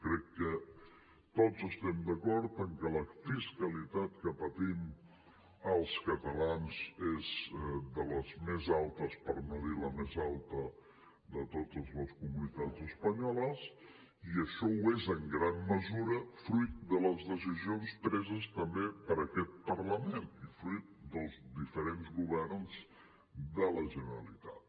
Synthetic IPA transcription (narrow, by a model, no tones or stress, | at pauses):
kɾɛkːə | t̪od͡zəst̪ɛmd̪əkɔɾt̪əŋkələfiskəlit̪at̪̚kəpət̪im | əlˠskət̪əlanzezd̪ələzmezalˠt̪əspəɾməðiləmezalˠt̪ə | ðət̪ot̪əzləskumunit̪ad͡zəspəɲɔləs | iəʃɔwezəŋɡɾanməzuɾəfɾujt̪̚d̪ələzðəs̬izionspɾɛzəst̪əmbepəɾəkɛt̪̚pərləmenifɾujt̪̚d̪əlˠzd̪ifəɾenzɣuβ̞ɛrnz | d̪ələʒənəɾəlit̪at̪̚